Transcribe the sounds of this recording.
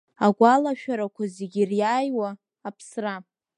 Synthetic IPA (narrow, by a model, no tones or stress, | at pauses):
aɡʷalaʃᶣaɾakʷʰazeɡʲirjaːjwaː | pʰsra